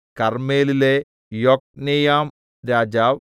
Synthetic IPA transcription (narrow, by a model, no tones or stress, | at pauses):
kɐrmeːlile | jok̚nejaːm | ɾaːd͡ʑaːʋ